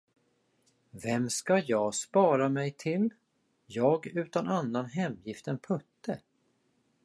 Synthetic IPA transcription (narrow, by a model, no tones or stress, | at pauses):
vɛmskajɑːɡspɑːɾamɛjt̪ʰɪl | jɑːɡʉ̟ːt̪ananːanɦɛmjɪft̪ənpʰɵt̪ːə